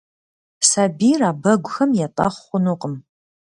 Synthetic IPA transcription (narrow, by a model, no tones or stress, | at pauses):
saːbiːraːbɐɡʷʊxɐmjɛtʼɐ̰χʷχʷʊnuqəm